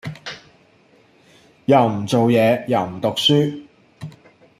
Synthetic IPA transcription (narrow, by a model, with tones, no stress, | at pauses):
jɐ˨˩wm̩˨˩t͡so˨wjɛː˨˧jɐ˨˩wm̩˨˩t̪ʊ˨k̚syː˥